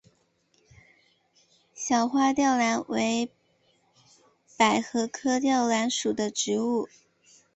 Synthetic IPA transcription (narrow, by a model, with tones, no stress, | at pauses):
ɕjɑ˨˩ʊxwa˥˧t̪jɑ˥˩ʊla˧˥nwe˧˥ɪ | pa˨˩ɪxɤ˧˥kʰɤ˥t̪jɑ˥˩ʊla˧˥nʂu˨˩d̪ə˦ʈ͡ʂɻ̩˧˥u˥˩